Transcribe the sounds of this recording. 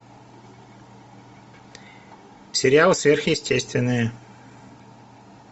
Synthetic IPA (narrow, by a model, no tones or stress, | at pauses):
fsʲɪɾʲɪalˠɨsvʲerxjɪsʲtʲesʲt̪vʲɪnːɨjə